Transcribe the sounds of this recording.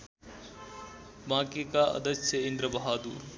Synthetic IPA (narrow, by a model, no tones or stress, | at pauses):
bãːkekaɐ̰d̪ɐsɐɪnd̪ɾɐbɐɦaːd̪uːɾ